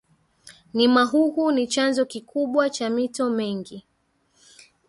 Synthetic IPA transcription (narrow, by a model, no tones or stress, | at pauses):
nimaɦuhunit͡ʃanzɔkikuɓwat͡ʃamitɔmɛŋɡi